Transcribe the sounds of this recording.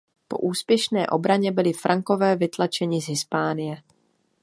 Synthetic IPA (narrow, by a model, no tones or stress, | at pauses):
po̞̰ʔuːspjɛʃnɛːʔo̞bɾaɲɛbɪlɪfɾʔaŋko̞vɛːvɪt̪lat͡ʃɛɲɪzɦɪspaːnɪjɛ